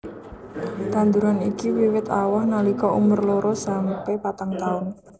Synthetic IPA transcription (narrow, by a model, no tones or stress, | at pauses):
t̪and̪uɾanikiwiwɪt̪a̰wahnalikɔʔṵmʊrloɾɔsampɛpat̪aŋt̪aʊn